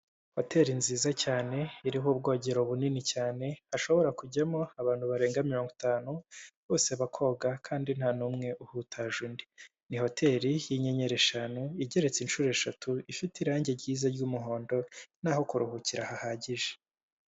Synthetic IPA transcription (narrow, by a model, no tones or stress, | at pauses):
ho̞te̞ɾinziːzacaːne̞iɾiɦub̚ɡo̞ːɟe̞ɾo̞βuninicaːne̞haʃo̞βo̞ɾakuɟamo̞aβaːnhuβaɾe̞ːŋɡamiɾo̞ːŋɡotaːnuβoseβakʰo̞ːɡakʰaːndin̥haːnumŋe̞ʔuhutʰaʒundi | niho̞tʰe̞ɾijiɲe̞ɲe̞ɾe̞ʃanuiɟe̞ɾe̞t͡sinʃuːɾe̞ʃatʰuifitiɾaːɲɟe̞ɾɟiːzaɾɟuːmuɦo̞ːndo̞n̥aːho̞kuɾuhuciɾahahaːɟiʒe̥